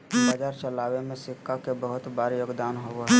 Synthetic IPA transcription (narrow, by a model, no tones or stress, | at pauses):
baːd͡ʒaːɾt͡ʃəlaːwemẽsɪkːakebəɦʊt̪baːɾjoːɡd̪aːnɦoɦɛ